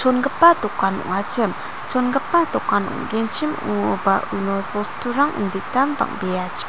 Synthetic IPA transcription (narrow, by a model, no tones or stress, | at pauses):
t͡ʃʰonɡəpːat̪ɔkːanɔ̰ŋat͡ʃɯm | t͡ʃʰonɡəpːat̪ɔkːanɔ̰ŋɡent͡ʃʰimṵŋobaʔunopɔstʰuɾaŋʔə̰nd̪itanba̰ŋbijat͡ʃ